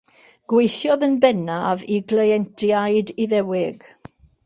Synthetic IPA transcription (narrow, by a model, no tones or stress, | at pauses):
ɡ̥wejθjɔðənbɛnaviɡləjɛntʰjaɨdiðɛwɪɡ̥